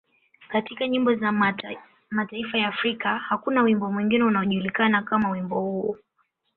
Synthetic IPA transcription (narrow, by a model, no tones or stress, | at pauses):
katikaɲimbɔza | mataifajaːfɾikahakunawimbɔmwiŋɡinɛunaɔʄulikanakamawimbɔhuɔ